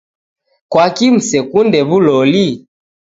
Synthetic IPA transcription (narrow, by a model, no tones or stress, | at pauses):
kwakim̩sɛkundɛβulɔli